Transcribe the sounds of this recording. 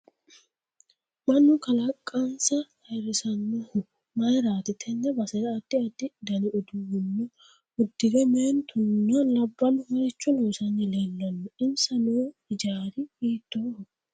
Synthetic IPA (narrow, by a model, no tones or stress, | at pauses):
mɐnːʊkɐlɐkʼːɐnsɐhɐjɾɪsɐnːɔhʊ | mɐjɾaːt̪ɪt̪ʰɛnːɐbɐsɛdɐːd̪ːɪɐd̪ɪd̪ɐnɪɔd̪ʊwʊnːɔ | ʊd̪ːɪɡɛmeːnt̪ʰʊnːɐlɐbːɐnʊhɔɾɪt͡ʃːɔnoːsɐnːɪlelːɐnːɔɪmsɐnuɪd͡ʒaːɾɪiːt̪ːohʊ